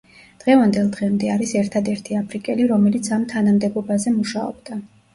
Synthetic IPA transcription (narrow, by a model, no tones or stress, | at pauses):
d̪̥ʁɛvand̪ɛlˠd̪ʁɛmd̪ɛaɾisɛɾt̪ʰad̪ɛɾt̪ʰiapʰɾikʼɛliɾɔmɛlit̪sʰamt̪ʰanamd̪ɛbɔbazɛmuʃaɔ̰b̥d̪̥a